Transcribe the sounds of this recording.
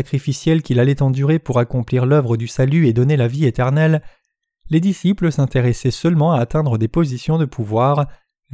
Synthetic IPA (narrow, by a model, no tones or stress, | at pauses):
akχifisjɛlkʲilalɛt̪ɑ̃d̪yʁepuʁakɔ̃pliʁlœvʁəd̪ysalyed̪ɔnelaviet̪ɛʁnɛlː | ed̪isipləsɛ̃t̪eʁɛsɛsœlmɑ̃aːt̪ɛ̃d̪ʁəd̪epozisjɔ̃d̪əpʰuvwaːʁ